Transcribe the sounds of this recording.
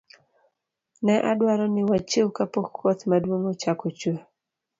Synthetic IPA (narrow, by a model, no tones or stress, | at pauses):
nɛʔadwaɾɔnɪwat͡ʃewkapokːɔt̪madwoŋot͡ʃakot͡ʃo